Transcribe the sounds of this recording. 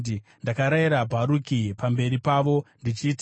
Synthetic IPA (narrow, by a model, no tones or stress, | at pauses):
ndakaɾaiɾabʱaɾukipambe̞ɾipaːʋo̞ndit͡ʃiːt